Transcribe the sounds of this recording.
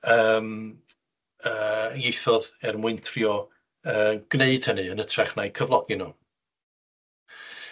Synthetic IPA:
əːm | əːjejθɔðɛrmwɪɨntʰriɔ | əːɡ̥neɨd̥hənɨənətʰrɛχnajkʰəvlˠɔɡɪnu

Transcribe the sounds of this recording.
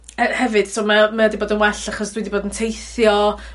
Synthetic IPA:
ɛhɛvɨd̥sʰoːmamaɔdiboːdənwɛɬaχɔsd̥wiːdiboːdəntʰejθjɔ

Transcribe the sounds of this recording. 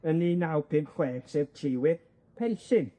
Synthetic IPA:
əninawpʰɪmpχweːd̥sevtʰɪwɪð | pʰɛlɬɪn

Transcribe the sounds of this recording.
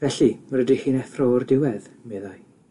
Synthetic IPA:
vɛɬirədihiːnɛθrɔrdɪwɛðmeːðaj

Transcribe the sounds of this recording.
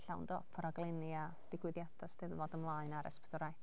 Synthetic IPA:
ɬawndɔpʰəɾaɡlˠɪnia | d̥ɪɡwɪðjad̥astɛðvɔdəmlˠaɨnaɾʔɛ̰spʰɛ̥d̥ɔɾaj

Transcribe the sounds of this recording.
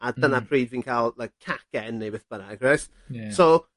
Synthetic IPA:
adənapʰriːdviːnkʰaːlˠlajkʰːakɛnːejbɛθb̥ənaɡrɛs | so

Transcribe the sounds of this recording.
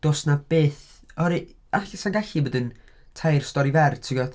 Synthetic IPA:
d̥osnab̥eːθ | ɔɾi | aɬasanɡaɬɨbədən | tʰajrstɔɾivɛrtʰɪɡɔd

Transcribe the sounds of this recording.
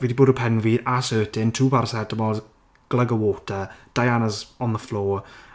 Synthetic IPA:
viːdiboːdəpʰɛnviasøːtʰɪntʰuːpʰarsɛdəmɔz | ɡ̥lˠəɡəwoːtʰəd̥ajanəzɔnðəflˠoː

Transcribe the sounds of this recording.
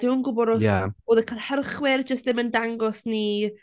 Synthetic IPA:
d̥ɪwənɡʊbɔɾɔsaoːðəkʰalˠhərχwɛrd͡ʒəstðɪməndaŋɡɔsni

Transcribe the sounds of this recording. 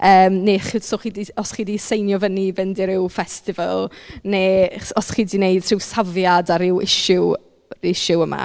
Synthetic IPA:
əːmneːχɪsoχiːdiɔsχiːdisejnjɔvənivɪndɪɾɪwfɛstɪvə̰lˠneɔsχiːdinejd̥̚tʰr̥ɪwsavjadaɾɪwɪ̰ʃʊ | ɪʃʊəma̰

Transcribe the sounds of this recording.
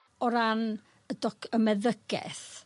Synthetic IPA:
ɔɾan | ədɔkʰəmɛðəɡ̥ɛ̰θ

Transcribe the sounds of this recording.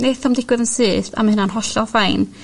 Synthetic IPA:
neθɔmdɪɡ̥wɨðənsɨːθa̰mahənanɦɔɬɔfajn

